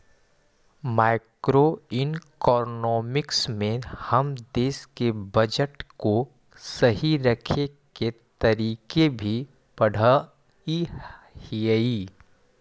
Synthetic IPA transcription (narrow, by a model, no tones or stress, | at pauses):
maːɪkɾoɪnkɔːɾnɔːmɪksmẽhɐmd̪eːskebɐd͡ʒəʈko | sɐɦiɾɐkʰeket̪ɐɾiːkebʱi | pɐɽ̤a | ihiiː